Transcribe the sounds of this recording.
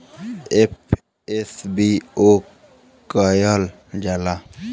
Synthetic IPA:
ep | esbio | kəjəl | d͡ʒala

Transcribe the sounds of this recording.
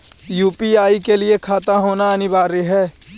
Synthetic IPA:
juːpiaːikelɪekʰaːt̪aɦoːnaənɪbaːɾeɦɛː

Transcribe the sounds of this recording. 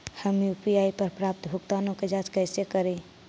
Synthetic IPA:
həmjupiaipəɾpɾap̚t̪bʱʊkt̪aːnõked͡ʒad͡ʒkəɪsekəɾẽ

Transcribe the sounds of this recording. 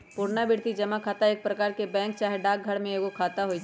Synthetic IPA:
puːɾnabɪɽt̪id͡ʒɐmakʰaːt̪aeːk̚pɾɐkaːɾkebɛ̃ːŋk̚t͡ʃaːɦeɖaːk̚ɡʱɐɽmẽeːɡokʰaːt̪aɦoid͡ʒ

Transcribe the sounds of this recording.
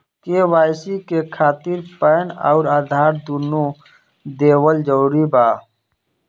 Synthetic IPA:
kewaːjsikekʰaːt̪iɾpəːna̰ʊɾaːd̪ʱaːɾd̪unu | d̪eːwəld͡ʒəɾibaː

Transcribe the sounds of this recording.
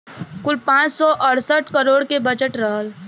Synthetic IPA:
kʊlpãːt͡ʃsɔʔəɽsəʈkəɾoːɽkebəd͡ʒəʈɾəɦəl

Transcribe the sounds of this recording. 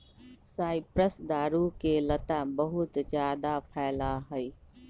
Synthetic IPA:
saːɪpɾəsd̪aːɾukelɐt̪ãbɐɦʊt̪zjaːd̪apʰaːɪlaɦɐiː

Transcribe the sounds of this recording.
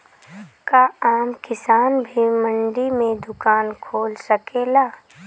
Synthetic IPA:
kaaːmkɪsaːnbʱimə̃ɳɖimẽd̪ʊkaːnkʰoːlsɐkeːlaː

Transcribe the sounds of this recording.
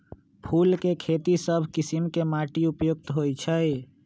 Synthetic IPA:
pʰulkekʰet̪isəbʱkisimkemaʈiupjoɡ̚t̪ɦojt͡ʃʰəj

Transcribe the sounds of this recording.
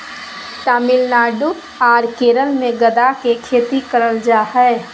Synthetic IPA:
t̪aːmɪlnaːɖu | aːɾkeːɾəlmẽɡɐd̪akekʰeːt̪ikəɾəld͡ʒaːhɛː

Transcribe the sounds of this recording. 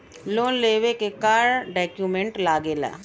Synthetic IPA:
loːnleːʋekekaːɾɖɛːkjumẽɳʈlaːɡela̰ː

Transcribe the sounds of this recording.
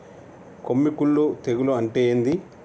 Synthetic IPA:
komːikuɭːut̪eɡuluɐɳʈeːjind̪i

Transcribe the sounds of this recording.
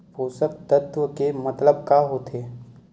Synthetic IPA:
poːsək̚t̪ət̪wəkemɐt̪ləb̚kaɦoːt̪ʰeː

